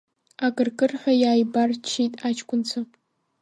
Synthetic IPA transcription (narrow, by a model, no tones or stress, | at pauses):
akʼɨrkʼɨrħʷᶣajaːjbart͡ʃʰitʼat͡ʃʰkʷʼʊnt͡sʰa